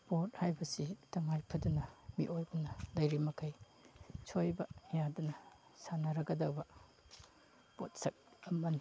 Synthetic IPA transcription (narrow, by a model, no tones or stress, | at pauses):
pot̚hajbɐsitɐŋajpʰɐdunɐmḭʔojbɐnɐlɐjɾimɐkʰɐj | sʰojbɐɐjadunɐ | sanɐɾɐɡɐdɐwbɐ | pot̚sɐk̚ɐmɐni